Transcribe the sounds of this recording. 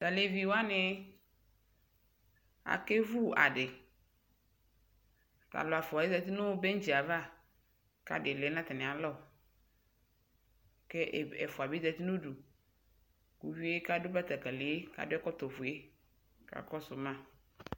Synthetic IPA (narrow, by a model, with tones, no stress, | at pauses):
ta˨le˨vi˨wa˦nɪ˨˦ | a̰˨ke˦vu˦˨a̰˨ɖɪ˨ | ka̰˨lɔ˨a˨fa˨e˦za˨t̪i˦nʊ̃˦be˦n̩˦d͡ʒi˨a˨va˦˨ | ka̰˦dɪ˨le˨˦nã˦t̪ɪ˨nɪ̃˨a˨lɔ˦˨ | ke˦˨ɛ˨fʊ˨a˨bi˦za˨t̪i˦nõ˦du˨ | ku˨wi˦e˦ka˦dʊ˦ba˦t̪a˨ka˨le˨e˦ka̰˨dʊ˦ɛ˦kɔ˦t̪ɔ˨vʊ˨e˦ | ka̰˨kɔ˦sʊ˨mã˦